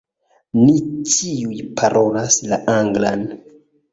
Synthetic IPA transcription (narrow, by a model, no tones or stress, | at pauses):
nitiujpʰaɾʔo̞laslaʔaŋɡlan